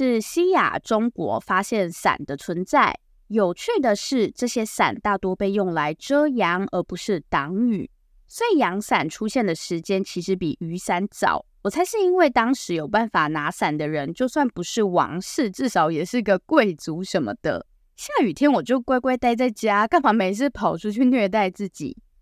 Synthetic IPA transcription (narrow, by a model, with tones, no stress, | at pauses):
ʂɻ̩˥˩ɕi˥ja̰˨˩ʈ͡ʂʊ˥ŋkwɔ̰˧˥fa˥ɕjɛ˥˩nsa̰˨˩nd̪ə˦t͡sʰwə˧˥nt͡sa˥˩ɪ | jo˨˩ʊt͡ɕʰɛ˥˩d̪ə˨˩ʂɻ̩˥˧ʈ͡ʂɤ˥˩ɕjɛ˥sa̰˨˩nt̪a˥˩t̪wɔ˥pe˥˧ɪjʊ˥˩ŋla˧˥ɪʈ͡ʂɤ˥jɑ˧˥ŋə˞˧˥pu˧˥ʂɻ̩˥˩t̪ɑ˧˥ŋy̰˨˩˦ | se˥iɪ˨˩jɑ˧˥ŋsa˨˩nʈ͡ʂʰu˥ɕjɛ˥˩nd̪ə˩ʂɻ̩˧˥t͡ɕjɛ˥nt͡ɕʰi˧˥ʂɻ̩˧˥pḭ˨˩y˧˥sa˧˥nt͡sɑ̰˨˩˦ʊwɔ˨˩t͡sʰa˧˥ɪʂɻ̩˥˩i˥nwe˥˩ɪt̪ɑ˥ŋʂɻ̩˧˥jo˨˩ʊpa˥˩nfa˨˩na˧˥sa˨˩nd̪ə˦ɻə˧˦nt͡ɕjo˥˧ʊswa˥˩npu˧˥ʂɻ̩˥˩wɑ̰˧˥ŋʂɻ̩˥˧ʈ͡ʂɻ̩˥˩ʂɑ˧˥ʊjɛ˨˩ʂɻ̩˥˩˧ɡə˧kwe˥˩ɪt͡su˧˥ʂə˧˥nmə̰˧d̪̥ə̰˧ | ɕja˥˩y˨˩t̪ʰjɛ˥nwɔ˨˩t͡ɕjo˥˧ʊkwe˥˧ɪkwe˥˧ɪt̪a˥˧ɪt͡sa˥˩ɪt͡ɕja˥ka˥˩nfɑ˧˥me˧˥ɪt͡s̩ʰ˥˩pʰɑ˨˩ʊʈ͡ʂʰu˥t͡ɕʰy˥˧nɥɛ˥˧t̪̬a˥˧ɪt͡sɹ̩˥˩t͡ɕḭ˨˩˦